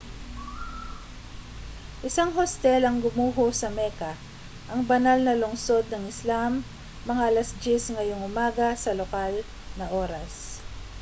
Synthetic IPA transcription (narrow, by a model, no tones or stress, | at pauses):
ʔɪsaŋɦost̪ɛlɐŋɡʊmuːɦosɐmɛkɐ | ʔɐŋbɐnalnɐlʊŋso̞d̪̚nɐŋɪslamː | ɐŋaʔɐlɐsd͡ʒɪsŋɐjo̞ŋʔʊmaːɡɐsɐlokal | nɐʔoːɾɐs